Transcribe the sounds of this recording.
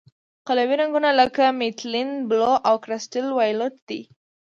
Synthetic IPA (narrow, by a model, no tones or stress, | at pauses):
qalawiɾaŋɡunaləkamɪt̪linbloʔawkɾasʈɪlwajlot̪̚d̪̥i